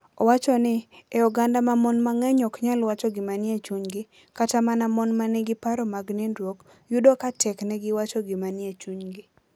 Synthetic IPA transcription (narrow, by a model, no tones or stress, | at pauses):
ɔwat͡ʃɔnɪɛɔɡandamamɔnmaŋɛɲɔkɲalwat͡ʃɔɡɪmanɪet͡ʃuɲɡɪ | katamanamɔnmanɪɡɪpaɾɔmaɡnendwok | jʊdɔkatɛknɛɡɪwat͡ʃɔɡɪmanjet͡ʃuɲɡɪ